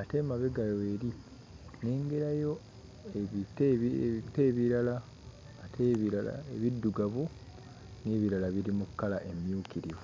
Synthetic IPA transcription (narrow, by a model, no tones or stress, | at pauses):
ate̞maβeɡajoeɾi | ne̞ːŋɡeɾajo̞ | eitete̞ːβiɾalaː | tʰeβiɾala̰eβidːuɡaβu | neːβiɾalaβiɾimukːalaʔe̞mjuːkiɾiu